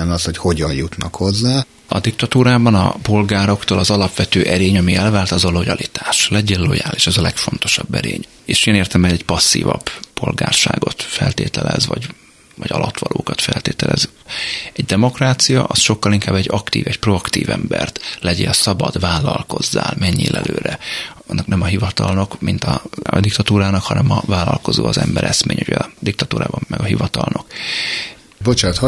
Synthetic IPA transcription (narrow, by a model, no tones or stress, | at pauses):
ɛnɒsho̞cho̞ɟɒjjut̪nɒkho̞zːaː | ɒd̪ik̚t̪ɒt̪uːɾaːbɒnɒpo̞lɡaːɾo̞kt̪oːlɒzɒlɒpʋɛt̪øːʔɛɾeːɲɒmiɛlvaːlt̪ɒzolojɒlʔit̪aːʃlɛɟeːlo̞̰ja̰ːliʃɛzɒlɛkfo̞n̪t̪o̞ʃɒbːɛ̰ɾḛːɲ | eːʃeːneːrt̪ɛmɛɛcpɒsːḭːvɒ̰bpo̞lɡa̰ːrʃa̰ːɡo̞t̪fɛlt̪eːt̪ɛlɛ̰zvɒɟ | vɒɟɒ̰lʔɒt̪ʋɒlʔo̰ːkɒt̪fɛ̰lt̪eːt̪ɛlɛz | ɛɟd̪ɛmo̞kraːt̪sijɒʔɒsʃo̞kːɒliŋkaːbɛɟɒkt̪ḭːvɛcpro̞ɒkt̪iːvɛmbɛrt̪lɛɟesɒbɒd̪vaːlɒlko̞zːaːlmɛɲːiːlʔɛløːɾɛ | ɒnːɒknɛmɒɦivɒt̪ɒlnɒkmint̪ɒd̪ikt̪ɒt̪uːɾaːnɒkhɒnɛmɒvaːlːɒlko̞zo̰ːɒzɛmbɛɾʔɛsmeːɲhojɟɛd̪ikt̪ɒt̪uːɾaːbɒmːɛɡɒɦivɒt̪ɒlnok | bot͡ʃaːt̪h